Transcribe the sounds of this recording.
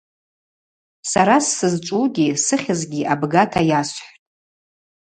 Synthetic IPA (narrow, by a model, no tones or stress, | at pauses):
saɾasːɨzt͡ʃʷʼuɡʲisɨχʲɪzɡʲiʔabɡatʰajasħʷtʼ